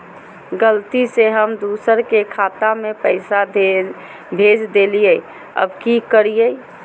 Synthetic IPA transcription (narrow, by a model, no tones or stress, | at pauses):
ɡəlt̪iseɦəmd̪usəɾkekʰat̪amepəɪsa | bʱed͡ʒd̪elije | ə̰bkikəɾije